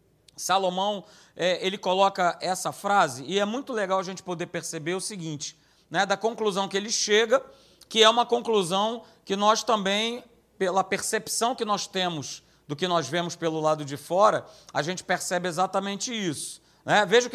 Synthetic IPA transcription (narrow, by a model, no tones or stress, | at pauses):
salomɐ̃w̃ | ɛelɪkolɔkɐɛsɐfɾazɪɪɛmũj̃t̪ʊleɡawɐʒẽnt͡ʃɪ̥pod̪eɾpeɾsebeɾʊsiɡĩnt͡ʃɪ̥ | nɛd̪ɐkõŋkluzɐ̃w̃kɪelɪʃeɡɐ | kɪɛũmɐkõkluzɐ̃w̃ | kɪnɔst̪ɐ̃mbẽj̃ | pelɐpeɾsepsɐ̃w̃kɪnɔst̪ẽmʊz | d̪ʊkɪnɔzvẽmʊspelʊlad̪ʊd͡ʒɪfɔɾɐɐʒẽnt͡ʃɪ̥peɾsɛbɪezat̪ɐmẽnt͡ʃɪisʊ̥ | nɛveʒʊk